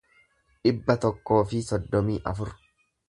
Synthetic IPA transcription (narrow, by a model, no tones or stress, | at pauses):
ᶑɪbːɐt̪ɔkːo̞ːfɪsɔd̪ːɔmiːʔɐ̰fʊɾ